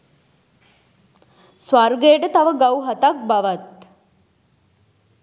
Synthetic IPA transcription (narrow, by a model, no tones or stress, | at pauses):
sʋarɡeːɖət̪aʋəɡawɦat̪ak̚baʋat̪̚